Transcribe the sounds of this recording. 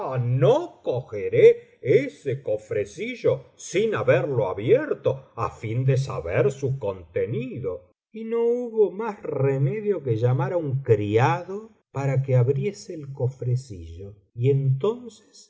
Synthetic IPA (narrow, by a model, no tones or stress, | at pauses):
anokoxeɾe | esekofɾesiʒosinaβeɾloaβjeɾt̪oa̰find̪es̬a̰βeɾsukont̪eniðo | ino̞uβomasremeðjo̞keʒamaɾauŋkɾiaðo | paɾakeaβɾje̞seːlkofɾesiʒo | ient̪o̞nse̥s